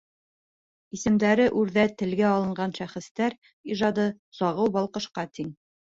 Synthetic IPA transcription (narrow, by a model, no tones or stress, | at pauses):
isɘ̆md̪æɾɘʔʉɾðæt̪ɘ̆lɡæɒlˠɤ̆ɴɢɑnʃæχɘ̆st̪æɾ | iʒɑd̪ɤ | sɑʁɤwbɒlˠqɤ̆ʃqɑt̪iŋ